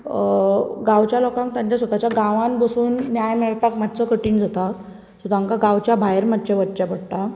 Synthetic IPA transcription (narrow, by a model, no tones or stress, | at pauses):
ɡãwt͡ɕjalokãŋk̚t̪jaɲt͡ɕjasʋət̪at͡ɕjaɡaʋãnbəsuːnːjajmeɭt̪akmat̪t͡səkəʈiːnd͡zʱat̪a | sot̪aŋkaɡãwt͡ɕjabʱajeɾmat̪̚t͡ɕaʋət̪t͡ɕapəɽʈ̪a